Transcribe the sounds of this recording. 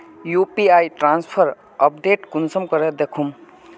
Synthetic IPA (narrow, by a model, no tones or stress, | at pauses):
jupiajʈɾanspʰʌɾ | əpɖeʈkunsʌmkʌɾed̪ekʰum